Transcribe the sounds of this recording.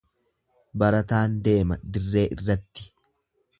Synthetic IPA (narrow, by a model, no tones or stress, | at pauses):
bɐɾɐt̪aːnd̪e̞ːmɐd̪ɪrːe̞ːʔɪ̰rːɐt̪ːɪ̥